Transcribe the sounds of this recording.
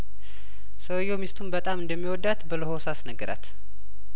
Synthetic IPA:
səwjːomist̪ʰumbət̪ʼamɨnd̪əmːiwɔd̪ːat̪bələhosasnəɡɨɾa̰t̪

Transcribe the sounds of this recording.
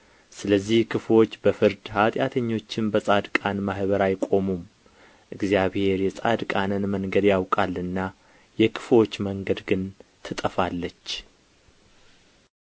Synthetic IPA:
sɨləzːihkʰɨflo̞t͡ʃːbəfɨɾd̪hat̪ʼjat̪ʰəɲːo̞t͡ʃːɪnbəsʼad̪kʼanmahbəɾajkʼo̞mum | ʔɨɡzjaβhe̞ɾjɛsʼad̪kʼanənməŋɡəd̪jawkʼalːɨnːa | jɛkʰɨ̥flo̞t͡ʃːməŋɡəd̪ɡɨnt̪ʰɨt̪ʼəfalːət͡ʃː

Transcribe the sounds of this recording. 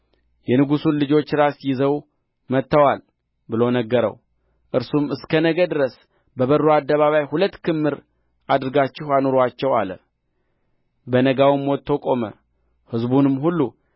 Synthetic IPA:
jɛnɨɡusunlɨd͡ʒo̞t͡ʃːɾasjɪzəw | mət̪ːəwal | bɨlonəɡːəɾə̰w | ʔɨɾsumɨskʰənəɡəd̪ɨɾəs | bəβəɾːoad̪ːəβaβajhulət̪ːkʰɨmːɨɾ | ad̪ɾɨɡat͡ʃːɪhanoɾat͡ʃːɛwa̰lə̰ | bənəɡawmwɔt̪ʰːo̞kʼo̞mə̰ | hɨzbunɨmɦulːu

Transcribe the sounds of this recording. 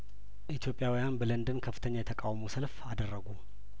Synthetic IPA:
ʔit̪ʰjo̞pʼjawijanbələnd̪ɨnkʰəfːɨ̥t̪ʰəɲːajɛt̪ʰəkʼawmosəlfad̪ərːəɡu

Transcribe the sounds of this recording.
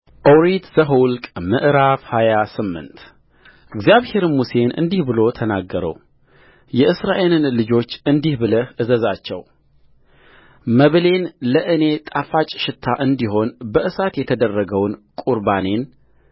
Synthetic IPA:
ʔoɾit̪z̥əɦulkʼmɨʔɾafhajasɨmːɨ̰nt̪ | ʔɨɡzijaβhe̞ɾmuse̞nʔɨ̰nd̪ihbɨlo̞t̪ʰənaɡːəɾə̰w | jɛʔɨsɾaʔe̞lɨnlɨd͡ʒo̞t͡ʃːɨnd̪ihbɨləhʔɨzəzat͡ʃːɛw | məβle̞nləʔɨne̞t̪ʼafat͡ʃʼʃɪt̪ʰːaʔɨnd̪iɦo̞nbəʔɨsat̪jɛt̪ʰəd̪ərːəɡəwnkʼuɾbane̞n

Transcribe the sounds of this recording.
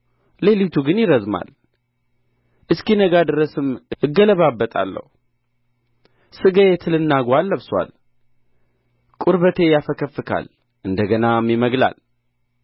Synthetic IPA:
le̞lit̪ʰuɡɨnjɪɾəzma̰l | ʔɨskinəɡad̪ɨɾəsɨmʔɨɡːələβabːət̪ʼa̰lːə̰h | sɨɡəet̪ʰɨlɨnːaɡwalːəβswa̰l | kʼuɾβət̪ʰe̞jafəkʰəfːɨkʰa̰l | ʔɨnd̪əɡənamːjɪməɡla̰l

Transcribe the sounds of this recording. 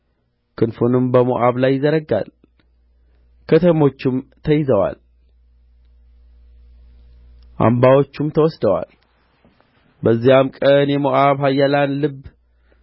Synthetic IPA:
kʰɨnfunɨmbəmo̰ʔaβlajːɪzəɾəɡa̰l | kʰət̪ʰəmo̞t͡ʃːɪmt̪ʰəjɪzəwa̰l | ʔa̰mbawo̞t͡ʃːumt̪ʰəwɔsd̪əwa̰l | bəzːijamkʼənjɛmoʔaβɦajːalanlɨb

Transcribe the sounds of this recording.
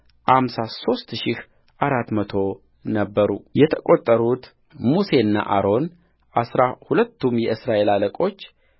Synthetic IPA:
ʔamsaso̞st̪ʃɪh | ʔaɾat̪ːmət̪ʰo̞ | nəbːəɾṵjɛt̪ʰəkʼo̞t̪ʼːəɾut̪ | muse̞ɨnːa̰ʔaɾo̞n | ʔasɾahulət̪ːumjɛɨsɾaʔe̞laləkʼo̞t͡ʃː

